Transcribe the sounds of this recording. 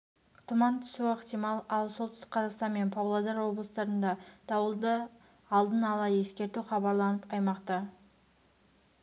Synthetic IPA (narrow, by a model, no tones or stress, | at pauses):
t̪ʰʊmɑnt̪ʰʏ̥suəqt̪ijmɑlˠɑlˠsolˠt̪sɪ̥qʰɑzɑqst̪ɑnme̞npʰɑwlˠod̪ɑɾwo̞blˠəst̪ɑɾənd̪ɑd̪̥ɑwəlˠd̪ə | ɑlˠd̪ənɑlˠɑje̞skʲe̞ɾt̪uχɑbɑɾlˠɑnəpɑjmɑqt̪ɑ